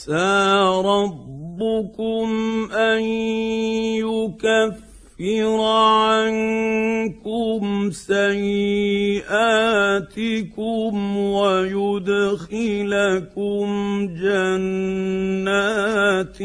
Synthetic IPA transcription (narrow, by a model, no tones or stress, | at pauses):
saːɾˤɑbːʊkʊmʔan | jʊkafː | ɪɾʕan | kʊmsajːɪʔaːt̪ɪkʊmwajʊd̪xɪlakʊmd͡ʒanː | aːt̪